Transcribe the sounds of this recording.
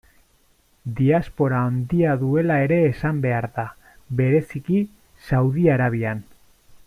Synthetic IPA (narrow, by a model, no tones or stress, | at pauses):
d̪iaspo̞ɾaond̪iaðue̞lae̞ɾe̞ːsambe̞aɾða | βe̞ɾe̞siki | sawðiaɾaβ̞ian